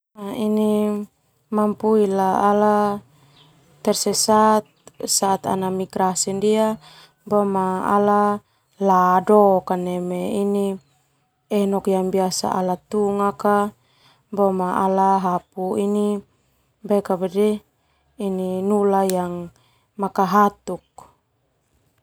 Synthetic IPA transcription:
naini | mampuilaala | t̪ːɛrsɛsat̪̚saːt̪a̰namiɡɾasɛndia | bɔmaa̰la | ladokanɛmeini | ɛnɔkjaŋbiasa̰ʔa̰lat̪uŋaka | bɔmaalaɦapuini | bakabadɛ | ininulajaŋ | makaɦat̪uk̚

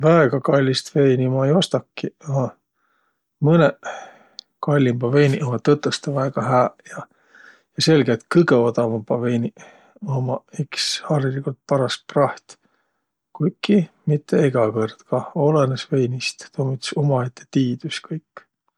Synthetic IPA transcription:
væeɡ̥ɑkɑlʲːist̪ve̞jnimɑejo̞st̪ɑkːiɑ | mɤne | kɑlʲːimbɑve̞jniʔomɑt̪ɤt̪ːəst̪ɑvæeɡ̥ɑhæːjɑ | jɑse̞lɡet̪kɨɡeot̪ɑvɑmbɑvejnʲi | omɑekshɑrjilikult̪̚pɑɾɑst̪̚prɑht̪ | kujkːimit̪ːeeɡ̥ɑkɤrd̪̥kɑo̞lenesve̞jnist̪t̪oːmit̪ːsumɑet̪ːe̥t̪iːd̪̥uskɤjkː

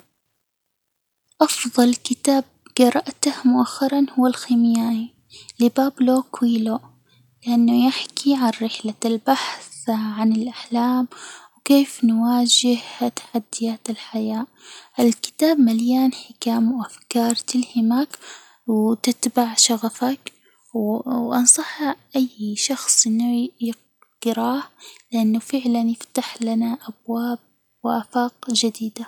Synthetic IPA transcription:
ʔɑfðˤɑlkɪt̪aːb̚ɡɑɾˤɑʔt̪ahmʊʔaxːɑɾˤɑnhʊwːalxiːmɪjaːni | lɪbaːbloːkwiːlo | lɪʔanːʊjɪħkʰiʕanɾɪħlalbaħθʕanɪlʔaħlaːmwkeːfnwaːd͡ʒɪht̪ḁħad̪ːɪjaːt̪ɪlħajaː | ʔɪlkɪ̥t̪aːbmaljaːnħɪkaːmwʔafkɑːɾˤt̪ɪlhɪmak | wt̪ɪt̪baʕʃɑɣafak | wʔɑnsˤɑħːɪʔajːʃɑxsˤʔɪnːujɪ | ɡ̥ɾɑːhlɪʔanːʊfɪʕlanjɪft̪aħlanaʔabwaːb̚ | wɪʔafɑːqd͡ʒad̪iːd̪a

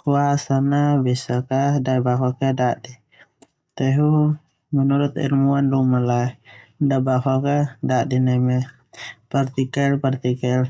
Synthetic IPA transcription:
kuasanabisakadajbaɦɔkɛdaʔdi | t̪ɛɦu | mənuɾut̪ɛ̰ɾmuanlumaladabaɦɔkadaʔdinɛmɛ | part̪ikɛlpart̪ikɛl

